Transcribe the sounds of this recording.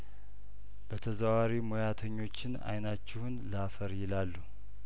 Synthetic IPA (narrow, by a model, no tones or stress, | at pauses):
b̥ət̪ʰəzəwaɾimojat̪ʰəɲːo̞t͡ʃːɪna̰jnat͡ʃːɪhunləafəɾjɪlalːu